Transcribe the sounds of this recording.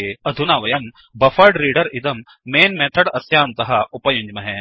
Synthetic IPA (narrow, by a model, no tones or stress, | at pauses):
eɐd̪ʱunaːʋɐjɐm | bɐfɐɾɖɾiːɖɐɾɪd̪ɐmː | eːnmẽːt̪ʰɐɽɐsjaːnt̪ɐɦɐupɐjʊ̃ɲd͡ʒmɐɦɛ̃ː